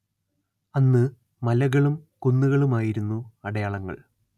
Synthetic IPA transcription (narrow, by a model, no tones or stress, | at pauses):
ɐnːɨ | mɐlɐɣɐɭumkonːuɣɐɭumaːjiɾunːuɐɽɐjaːɭɐŋːɐ̰ɭ